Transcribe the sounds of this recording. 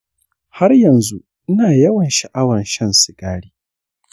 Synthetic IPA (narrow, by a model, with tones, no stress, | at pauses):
ha˦rjɐ˨nzu˦ | ʔɪ˦naː˨jɐ˦wɐ˨nʃɐ˨ʔa˦wɐ˨nʃɐ˦nsɪ˨ɡaː˦ɽiː˦